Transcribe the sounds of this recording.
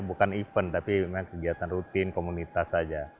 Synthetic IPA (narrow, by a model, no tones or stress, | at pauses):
bukanifənt̪apimaŋkəɡiat̪anrut̪ɪnkomunit̪asad͡ʒa